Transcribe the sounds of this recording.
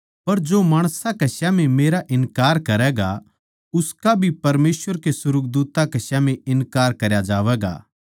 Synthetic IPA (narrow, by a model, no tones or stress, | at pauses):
pɐɾd͡ʒoːmaːɽ̃sakɐsjãmẽmeːɾaʔɪnkaːɾkɐɾɛːɡa | ʊskabʱipɐɾmeːsʋəɾkesʊɾʊk̚d̪uːt̪akɐsjamẽɪnkaːɾkɐɾjad͡ʒaːʋɛːɡa̰ː